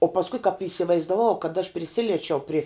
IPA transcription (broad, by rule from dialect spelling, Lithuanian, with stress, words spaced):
oː pɐsˈkʊɪ kɐp iːsʲɪʋɐɪzdɐˈʋɐʊ kɐt ɐʃ pʲrʲɪˈsʲɪlʲiɛt͡ʃʲɛʊ pʲrʲɪ